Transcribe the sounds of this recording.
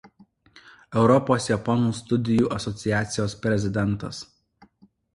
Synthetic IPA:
ɛʊɾɔpoːsjɛpɔnuːst̪ʊd̪ʲɪjuːʔɐsɔt̪sʲɪjæːt̪sʲɪjoːspʲɾʲɛzʲɪd̪ʲɛnˑt̪ɐs

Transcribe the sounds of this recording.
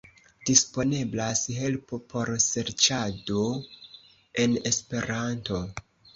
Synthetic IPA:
d̥ispo̞ne̞blasɦe̞lpo̞pʰo̞ɾse̞ɾt͡ʃado̞ | e̞ne̞spe̞ɾanto̞

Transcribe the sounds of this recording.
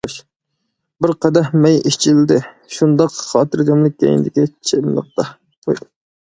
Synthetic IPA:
ʃ | bɪɾqʰɑd̪ɛhmɛjiʃt͡ʃʰilɪd̪ɪ | ʃund̪ɑqχɑːt̪ɨɾd͡ʒ̪ɑmlˠɪk̚ʲːɛ̰jḭnd̪ɪkʲit͡ʃʰemlˠə̰q̚t̪ɑ̰

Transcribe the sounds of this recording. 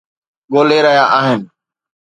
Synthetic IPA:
ɠoːleːɾəɦjaːʔaːɦɪn

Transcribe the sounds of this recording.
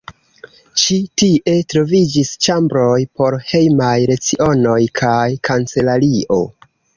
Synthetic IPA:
ʃitiʔe̞tɾo̞vid͡ʒist͡ʃambɾo̞jpo̞ɾhe̞jmajɾe̞t͡siʔo̞no̞jkʰajkʰant͡se̞laɾiʔo̞̰

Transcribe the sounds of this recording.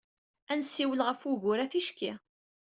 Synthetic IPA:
ænsːiwəlʁəfuʝʊɾæθiʃki

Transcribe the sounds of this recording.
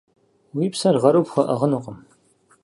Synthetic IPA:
wiːpsɐrʁɐɾuwpxʷɐʔɐʁənuqʼəm

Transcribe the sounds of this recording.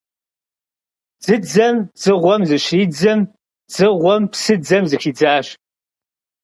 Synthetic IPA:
z̥ɨd͡zɐmz̥ɨʁʷɔmzɨɕiːd͡zɐm | z̥ɨʁʷɔmpsɨd͡zɐmzɨxiːd͡zaːɕ

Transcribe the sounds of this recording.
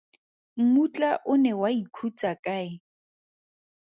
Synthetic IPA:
ŋ̩mut͡ɬʼaʔʊnɛwaikʰut͡sʼakʼaɪ

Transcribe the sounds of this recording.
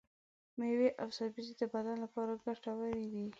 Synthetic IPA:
meweʔawsɑbized̪əbad̪anlapɑɾaɡaʈawəɾed̪i

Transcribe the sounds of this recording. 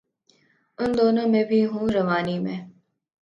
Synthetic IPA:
ʊnd̪oːnõːmẽːbʱiːɦũːɾəʋaːnimḛ̃ː

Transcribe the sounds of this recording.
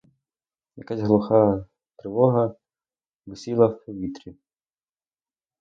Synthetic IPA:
jɐ̰kazʲɦlˠʊxɑ | t̪ɾɪʋɔɦɐ | ʋɪsʲilˠɐwpɔʋʲit̪ɾʲi

